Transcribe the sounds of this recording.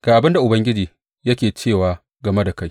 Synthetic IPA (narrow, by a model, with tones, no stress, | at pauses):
ɡ̥aː˨ʔa˨bɪ˦nda˨ʔʊ˨bɐ˦ŋɡʲɪ˦d͡ʒiː˨ | jɐ˦kʲeː˨t͡ʃeː˦˨waː˨ | ɡɐ˨me˦da˨ka˦j